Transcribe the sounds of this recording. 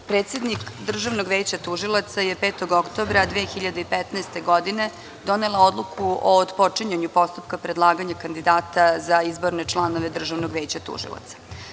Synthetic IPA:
pɾet̪se̞d̪nikd̪r̩ʒaʋno̞ɡʋeːt͡ɕat̪uʒilˠat̪saje̞peːt̪o̞ɡokt̪o̞bɾad̪ʋeːxiʎad̪eipet̪naest̪e̞ɡo̞d̪ine̞ | d̪o̞nelˠao̞d̪lˠukʰuod̪po̞t͡ʂiɲeɲupo̞st̪upkapɾed̪lˠaːɡaɲakand̪id̪aːt̪azaizboɾne̞t͡ʂlˠano̞ʋe̞d̪r̩ʒaʋnoɡʋe̞ːt͡ɕat̪ṵʒḭlˠa̰t̪sḁ

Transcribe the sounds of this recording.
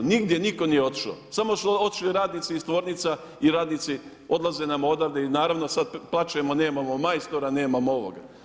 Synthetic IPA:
niɡd̪je̞niko̞nijeo̞t̪i̥ʃo̰samo̞suo̞t̪i̥ʃliɾaːd̪niːt̪siːst̪ʋo̞ːɾnit̪sa | iɾaːd̪niːt̪si | o̞d̪laze̞ːnamod̪aʋd̪einaːɾaʋnosad̪plˠat͡ʃemo̞neːmamomajst̪oɾane̞ːmamoo̞ʋo̰ɡa̰

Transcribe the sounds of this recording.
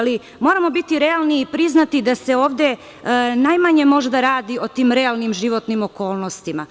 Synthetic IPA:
li | mo̞ɾamo̞bit̪iɾe̞alˠniːpɾiznat̪id̪ase̞o̞ːʋd̪e̞ | najmaɲe̞mo̞ʒd̪aɾaːd̪io̞t̪iːmɾe̞alˠnimʒiʋo̞t̪nimo̞ko̞ːlˠno̞st̪ima

